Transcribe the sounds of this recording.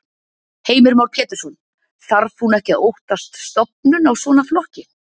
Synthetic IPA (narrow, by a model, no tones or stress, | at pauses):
heːjmɪɾmawɾpʰɛːt̪ɪsɔn | θaɾθhunɛhcɪowht̪ast̪st̪ɔp̚nʏnawsvɔːnaflɔhcɪ